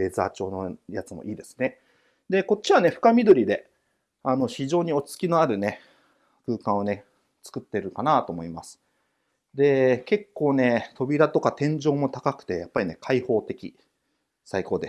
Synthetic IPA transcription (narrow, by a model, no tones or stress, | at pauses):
e̞za̰ːt͡ɕo̞ːnojat͡sɨmo̞ʔiːd̪e̞sɨ̥ne̞ | d̪e̞ko̞t͡ɕːiβane̞ɸɯ̟̥kamʲid̪o̞ɾʲid̪e̞ | ano̞çiʑo̞ːɲ̟io̞t͡ɕi̥t͡sɨ̥kʲino̞aɾɯ̟ne̞ | kɯ̟ːkãɰ̃o̞ne̞ | t͡sɨ̥kɯ̟t̪ːe̞ɾɯ̟kanat̪o̞mo̞imasɨ̥ | d̪e̞ke̞kːo̞ːne̞t̪ʰo̞bʲiɾat̪o̞kat̪ẽ̞ɲ̟d͡ʑo̞ːmo̞t̪akakɯ̟̥t̪e̞japːaɾʲine̞kʰaiho̞ːt̪e̞kʲḭ | saiko̞ːd̪e